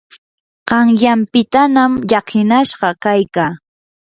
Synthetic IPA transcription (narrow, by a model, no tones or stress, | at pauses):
ɢ̥ɑŋjampɪt̪anamʎɑkʰɪnaʃɢɑkajkaː